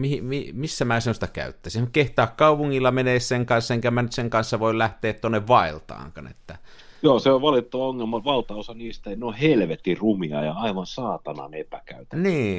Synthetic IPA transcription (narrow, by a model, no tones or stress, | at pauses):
mihimimisːæmæːsemːost̪ɑkæ̰yt̪ːæsinkeht̪ɑːkkɑˑupuŋːilːɑmeneˑsːeŋkɑnsːɑeŋkæmænyt̪seŋkɑnsːɑʋoˑillæht̪ˑeːt̪t̪uonːeʋʋɑˑelt̪ɑ̰ːŋkɑ̰nḛt̪ːæ | joːseoʋʋɑlit̪ːɑʋɑoŋːelmɑʋɑlt̪ɑosɑniːst̪æeinohelʋet̪ːirumiɑ̰jɑɑiʋɑnsɑːt̪ɑnɑ̰nepækæyt̪æniː